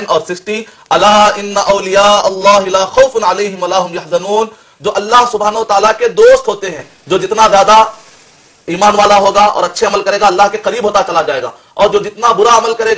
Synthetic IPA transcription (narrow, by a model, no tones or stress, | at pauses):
nɔːɾsɪsʈi | ɐlaːɪnːɐʔɐʊlɪjaːʔɐlːaːɦɪlaːxoʊfʊnʕaleːɦɪmʋɐlaːɦʊmjɐɦzɐnuːn | d͡ʒoːʔɐlːaɦsʊbʱaːnɐʋət̪aːlaked̪oːst̪ɦoːt̪eɦɛ̃ː | d͡ʒoːd͡ʒɪt̪nazjaːd̪a | iːmaːnʋaːlaɦoːɡaɔ̰ːɾɐtːʃʰeɐməlkɐɾeːɡaɐlːaːɦkeqɐɾiːbɦoːt̪at͡ʃɐlad͡ʒaːeːɡa̰ː | ɔːɾd͡ʒoːd͡ʒɪt̪nabʊɾaɐməlkɐɾeːɡ